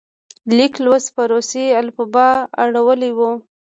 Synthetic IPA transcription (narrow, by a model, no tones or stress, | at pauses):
liklwəspaɾosealpubɑa̰ɽawəliwu